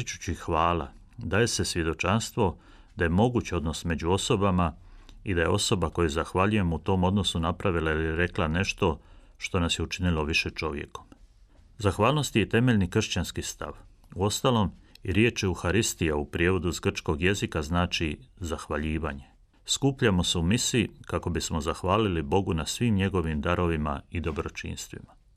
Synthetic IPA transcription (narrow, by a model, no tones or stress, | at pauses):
it͡ʃu̥t͡ɕixʋaːla̰ | d̪aːje̞se̞sʋje̞d̪o̞t͡ʃanst̪ʋo̞ | d̪aje̞mo̞ɡut͡ɕo̞d̪no̞sme̞d͡ʑuo̞so̞bamaid̪aje̞o̞so̞bako̞juzaxʋaʎuje̞mut̪o̞ːmo̞d̪no̞sunapɾaʋilailiɾe̞klane̞ʃt̪o̞ | ʃt̪o̞nasjeut͡ʃinilo̞ʋiʃe̞t͡ʃo̞ʋje̞̰ko̥m | zaxʋaːlno̞st̪ije̞t̪e̞me̞ʎnikr̩ʃt͡ɕanskist̪a̰ʋ | uo̞st̪alo̞miɾje̞ːt͡ʃeuxaɾist̪ijaupɾijeːʋo̞d̪uizɡr̩t͡ʃko̞ɡje̞zikaznaːt͡ʃizaxʋaʎiːʋaɲe̞ | skuːpʎamo̞seumisiikako̞bismo̞zaxʋaːlilibo̞ɡunasʋiːmɲe̞ɡo̞ʋimd̪aɾo̞ʋima̰id̪o̞bɾo̞t͡ʃḭːnst̪ʋḭma